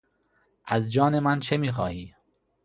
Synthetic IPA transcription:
ʔæzd͡ʒɒːnemænt͡ʃʰemiːxɒːhiː

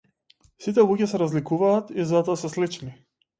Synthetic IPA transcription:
sit̪ɛlˠuɟɛsɛɾazlikuvaːt̪izat̪ɔasɛslit͡ʃni

